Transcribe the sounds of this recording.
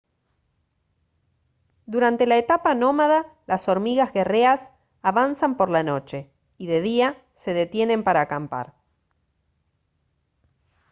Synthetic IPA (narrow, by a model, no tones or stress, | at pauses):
d̪uɾant̪e̞laet̪apaːno̞maðalaso̞ɾmiɣazɣe̞re̞as | aβansampo̞ɾlano̞t͡ʃe̞ | iðe̞ðia | se̞ðe̞t̪jene̞mpaɾaːkampa̰ɾ